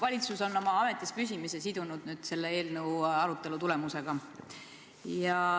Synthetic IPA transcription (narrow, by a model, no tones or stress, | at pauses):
vɑlʲit̪suso̞no̞mɑɑme̞t̪ːˑispys̬ʲimise̞sid̪unud̪̥nyːd̪̥se̞lːee̞ːlnəwɑɾut̪ːˑe̞lut̪ule̞muse̞ɡ̥ɑ | jɑ